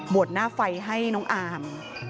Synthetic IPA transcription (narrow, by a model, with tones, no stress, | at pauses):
bu˨˩ət̪̚naː˥˩fa˧jɦa˥˩jnɔː˦˥ŋʔaː˧m